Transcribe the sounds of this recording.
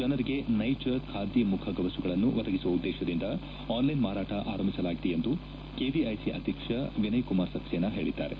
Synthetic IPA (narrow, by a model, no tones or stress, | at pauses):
d͡ʒɐnɐɾiɡe̞nɐjt͡ʃɐkʰaːd̪jimukʰɐɡɐʋɐsuɡɐɭɐnːuʋɐd̪ɐɡisuʋɐud̪ːɛːʃɐd̪ind̪ɐ | aːnlɐjnmaːɾaːʈɐʔaːɾɐmbisɐlaːɡit̪ejend̪u | keːʋiɐjsiʔɐ̰d̪ʱikʂɐʋinɐjkumaːɾsɐkseːnːɐɦe̞ːɭid̪ːa̰ːɾe̞